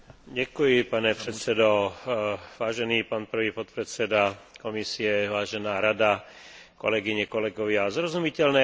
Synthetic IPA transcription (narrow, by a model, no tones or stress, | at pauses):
ɟɛkujipaɲɛpɾɛt̪sɛd̪ɔ | ʋaːʒɛniːpaːnpr̩ʋiːpɔt̪̚pɾɛt̪sɛd̪akɔmisiɛʋaːʒɛnaːɾad̪akɔ̰lɛɡiɲɛkɔlɛɡɔʋɪazɾɔzumicɛlnɛː